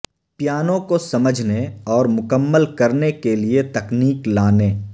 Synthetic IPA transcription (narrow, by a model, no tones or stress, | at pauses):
pjaːnõkosɐməd͡ʒʱneɔːɾmʊkəmːəlkɐɾnekeliet̪ɐkniːklaːneː